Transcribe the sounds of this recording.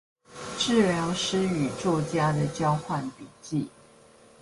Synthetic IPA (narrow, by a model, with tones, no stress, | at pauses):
ʈ͡ʂɻ̩˥˨ljɑ˧˥ŋʊʂɻ̩˥y˨˩t͡sɔ˥˩t͡ɕja˥d̪ə˨t͡ɕjɑ˥ʊxwa˥˩npi˨˩t͡ɕi˥˩